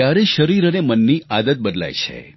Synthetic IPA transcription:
jaɾeʃəɾiɾənemənːiad̪ət̪̚bəd̪la̰jt͡ʃʰḛ

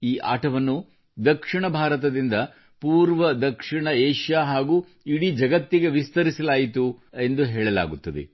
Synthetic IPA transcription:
iːʔa̰ːʈʰɐʋɐnːu | d̪ɐkʂiɳɐbʱaːɾɐt̪ɐd̪ind̪ɐ | puːɾʋɐd̪ɐkʂiɳɐeːʂjaːɦaːɡuː | iɽid͡ʒɐɡɐt̪ːiɡeʋist̪ɐɾisɐlaːjit̪uend̪uɦɛːɭɐla̰ːɡut̪ːɐd̪ḛ

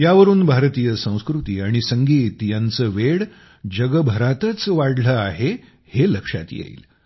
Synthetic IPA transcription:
jaʋəɾuːnbʱaɾt̪ijəsə̃w̃skɾut̪iːaɽ̃isəŋɡiːt̪jãnt͡səːʋeɽ | d͡ʑəɡəbʱəɾat̪ət͡sʋaɽləaɦe | heləkʂa̰t̪jḛḭːl

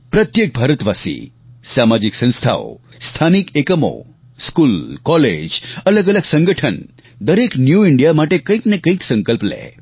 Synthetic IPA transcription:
pɾət̪jek̚bʱaɾət̪ʋasḭ | samad͡ʒiksə̃ñst̪ʰa̰o | st̪ʰanikekəmo̰ | skulkɔlḛd͡ʒələɡələɡsə̃ŋɡəʈʰən | d̪əɾeknjuiɳɖijamaʈekə̃ĩknekə̃ĩksə̃ŋkəlplɛ̰

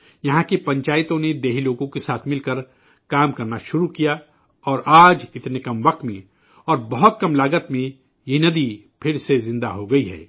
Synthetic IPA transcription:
jɐɦãkipɐ̃ɲt͡ʃaːɪt̪õned̪eːɦiloːɡõkesaːt̪ʰmɪlkəɾ | kaːmkɐɾnaʃʊɾukija | ɔːɾaːd͡ʒɪt̪nekɐmʋɐq̚t̪mẽ | ɔːɾbɐɦʊt̪̚kɐmlaːɡət̪mẽ | jenɐd̪i | pʰɪɾsezɪ̃nd̪a̰ɦoɡɐiɦɛ̰ː

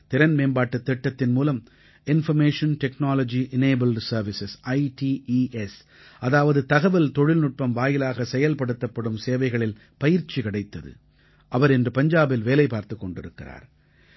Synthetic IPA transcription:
t̪ɪɾɐnmeːnbaːʈːɐt̪ːɛʈːɐt̪ːɪnmuːlɐm | ɪnfɐɾmeːʂɐnʈɛknaːlɐd͡ʒiʔɪneːbɐlsɐɾʋɪsɛsɐɪʈiʔiːʔɛs | ʔɐðaːʋɐðɯt̪ɐɣɐʋɪlt̪ɔɻɪlnʊʈ̚pɐmʋaːjɪlaːɣɐsɛjɐlpɐɽɯt̪ːɐpːɐɽɯmseːʋɐɪɣɐɭɪl | pɐjɪɾt͡ʃːikɐɽɐɪt̪ːɐðɯ̰ | ʔɐʋɐɾɛndrɯpɐɲd͡ʒaːbɪlʋeːlɐɪpːaːɾt̪ɯkːɔɳɖɪɾɯkːɪra̰ːɾ

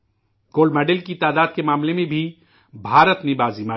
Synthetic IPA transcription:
koːlmɛɖɪlkit̪aːd̪aːd̪̚kemaːmlẽmẽbʱi | bʱaːɾət̪mẽbaːzimaː

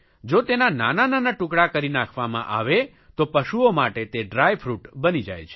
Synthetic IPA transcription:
d͡ʒot̪enananananaʈũkɽakəɾinakʰʋamã̰ʔa̰ʋe | t̪opəʃuomaʈet̪eɖɾajfɾuʈbənid͡ʒa̰jt͡ʃʰe̥

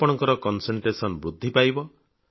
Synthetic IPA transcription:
pɔɽ̃ɔŋkɔɾɔkɔnseɳʈɾesɔnbɾud̪ʱːipajbɔ

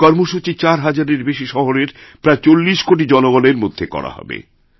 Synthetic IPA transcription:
kɔɾmoʃut͡ɕit͡ɕaɾɦad͡ʑaɾeɾbeʃiʃɔɦoɾeɾpɾaet͡ɕolːiʃkoʈ̬id͡ʑɔnoɡɔneɾmod̪ʱːekɔ̰ɾa̰hɔ̰bḛ

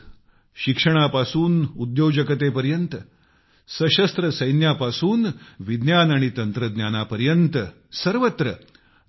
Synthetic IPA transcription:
ɕikʂəɽ̃apasuːnud̪jowd͡ʑəkət̪epəɾjənt̪ə | səɕəst̪ɾəsəjnjapasuːnʋid̪njanaɽ̃it̪ənt̪ɾəd̪njanapəɾjənt̪ə | səɾʋət̪ɾə

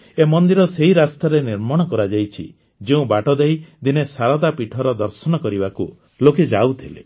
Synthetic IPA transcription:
emɔnd̪iɾɔseɦiɾast̪aɾeniɾmɔɽ̃ɔkɔɾad͡ʒajt͡ʃʰḭ | d͡ʒeũbaʈɔd̪ejd̪inesaɾat̪apiʈʰɔɾɔd̪ɔɾsɔñɔkɔɾibaku | loked͡ʒaut̪ʰilḛ

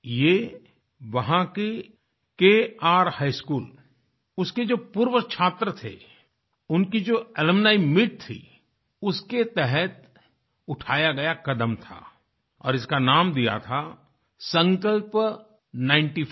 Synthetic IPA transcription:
jeː | ʋɐɦãke | keːaːɾhaːɪskuːl | ʊsked͡ʒoːpuːɾʋət͡ʃʰaːt̪ɾət̪ʰḛ | ʊnkid͡ʒoːɛləmnaːimɪʈ̚t̪ʰḭ | ʊsket̪ɛɦɛt̪̚ | ʊʈʰaːjaɡɐjakɐd̪əmt̪ʰa̰ː | ɔ̰ːɾɪskanaːmd̪ija̰t̪ʰa | sə̃ŋkəlp | nãːɪ̃ɳʈi

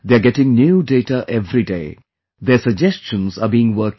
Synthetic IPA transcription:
d̪eaɡɛʈɪ̃ŋnjuːɖeːʈaʔɛvɾidḛː | d̪eːsəɡ̚d͡ʒɛst͡ʃə̃nsaːbiːɪ̃ŋʋəːk

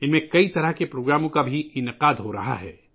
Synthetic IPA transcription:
ɪmẽkɐit̪ɐɾəɦkepɾoːɡɾaːmõkabʱiʔɪnɪqaːd̪ɦoɾɐ̰ɦa̰ɦɛ̰ː

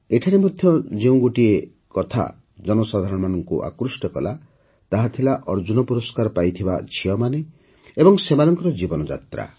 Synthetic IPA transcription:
eʈʰaɾemod̪ʱjɔd͡ʒeũɡoʈie | kɔt̪ʰa̰ | d͡ʒɔnɔsad̪ʱaɾɔɽ̃ɔmanɔŋkuʔa̰kɾusʈɔkɔla̰ | t̪aɦat̪ʰilaʔɔɾd͡ʒunɔpuɾɔskaɾɔpajt̪ʰiba̰t͡ʃʰiɔmane | ebɔŋsemanɔŋkɔɾɔd͡ʒibɔnɔd͡ʒa̰t̪ɾa̰

